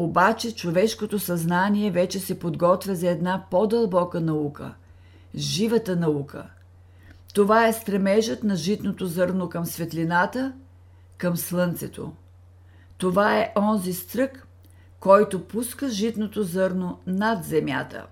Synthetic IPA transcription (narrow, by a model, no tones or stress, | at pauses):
obat͡ʃɛt͡ʃovɛʃkot̪osɐznaniɛvɛt͡ʃɛsɛpod̪ɡɔt̪vʲɛzɐɛd̪napod̪ɐlˠbɔkənɐukə̰ | ʒivət̪ənɐukʰə̰ | t̪ovaɛst̪ɾɛmɛʒət̪nɐʒit̪not̪ozɤɾnokɐmsvɛt̪linat̪ə | kəmslˠɤnt̪sɛt̪ʰo̰ | t̪ovaɛʔɔnzist̪ɾɤkː | ɔjt̪opuskəʒit̪not̪ozɤɾnonad̪zɛmja̰t̪ə̰